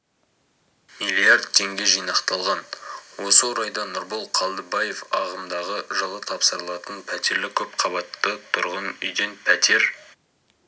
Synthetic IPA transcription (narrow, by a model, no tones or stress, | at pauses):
mijliard̪̚t̪ʰːe̞ŋɡʲe̞ʒijnɑqt̪ɑlˠʁɑnwo̞səwoɾɑjd̪ɑnʊɾbolˠqʰɑlˠd̪əbɑje̞fɑʁəmd̪ɑʁəʒəlˠət̪ʰɑpsəɾəlˠɑt̪ənpʰæt̪e̞ɾlɪkʲʰɵp̚qʰɑβɑt̪ːət̪ʰʊɾʁənʏ̰jd̪e̞npʰæt̪ʰe̞ɾ